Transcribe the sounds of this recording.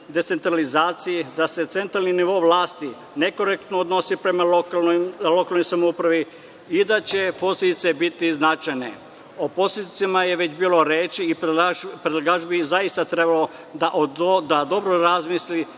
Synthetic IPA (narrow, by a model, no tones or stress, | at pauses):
d̪e̞t̪se̞nt̪ɾalizaːt̪sijid̪ase̞t̪se̞nt̪ɾalniniʋo̞ʋlaːst̪i | neko̞ɾek̚t̪nood̪no̞sipɾe̞makaomlo̞kalˠnojsamoupɾaʋi | id̪at͡ɕe̞po̞slʲed̪it̪sebit̪iznat͡ʃajne̞̰ | opo̞slʲed̪it̪simajeʋe̞t͡ɕbiːlo̞ɾeːt͡ʃiːpɾed̪laɡaːʒbizaist̪at̪ɾe̞balo | d̪aʔod̪ad̪o̞bɾoɾazmisli